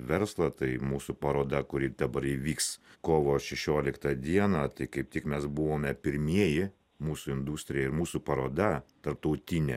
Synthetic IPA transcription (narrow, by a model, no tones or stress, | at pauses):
ʋʲɛɾslˠɐt̪ɐɪmuːsupɐɾoːd̪ɐkʊɾʲɪd̪ɐbɐɾiːʋʲiːkskoːʋoːʃʲɛʃʲoːlʲɪkt̪ɐd̪ʲiɛnɐt̪ɐɪkɐɪp̚t̪ʲɪkmʲɛsbʊʋoːmʲɛpʲɪɾʲmʲiɛjɪ | muːsʊɪnd̪uːsʲt̪ʲɾʲɪjɛɪɾmuːsuːpɐɾoːd̪ɐt̪ɐɾp̚t̪ɐʊt̪ʲɪnʲɛ